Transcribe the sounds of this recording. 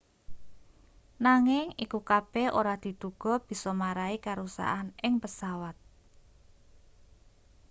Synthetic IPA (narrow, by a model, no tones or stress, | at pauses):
naŋɪŋikukab̥ɛʔoɾad̪̥i̤t̪uɡ̥ɔ̤b̥i̤sɔmaɾaikaɾusa̰ɦanɪŋpəsawat̪̚